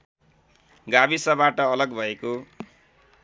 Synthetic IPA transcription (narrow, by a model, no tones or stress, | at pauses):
ɡabisʌbaʈʌːlʌɡbʱʌeko